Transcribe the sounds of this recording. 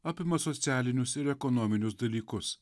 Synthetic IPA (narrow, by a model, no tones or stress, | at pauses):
ɐpimɐsot͡sijalinʲusɪɾekonominʲusd̪ɐliːkʊs